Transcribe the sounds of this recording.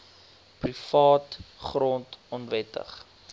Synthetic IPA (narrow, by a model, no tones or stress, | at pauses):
prifɑːtχrɔntɔnvɛtə̰χ